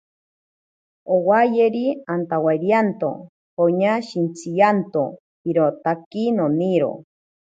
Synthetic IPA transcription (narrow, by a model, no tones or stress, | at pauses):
owajeɾiant̪awaiɾjant̪o̰ | hoɲaʃint͡sʰijant̪o | hiɾot̪akinoniɾo̰